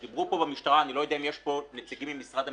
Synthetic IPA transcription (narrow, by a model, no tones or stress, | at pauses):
iblupovamiʃt̪aɾaːnilojid̪ɛmjɛʃponet̪siɡimimisʁad̪a